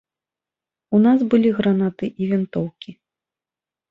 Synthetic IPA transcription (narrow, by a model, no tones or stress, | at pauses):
unasbɨlʲiɣɾanat̪ɨʔivʲint̪ɔwkʲi